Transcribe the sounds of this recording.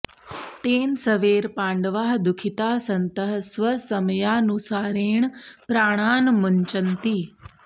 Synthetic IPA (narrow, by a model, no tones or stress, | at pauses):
t̪eːnsɐʋeːɾpãːɳɖəʋaːɦd̪ʊkʰɪt̪aːsɐnt̪əɦsʋɐsɐmjaːnusaːɾeːɳ̃pɾaːɽ̃aːnmʊɲt͡ʃənt̪iː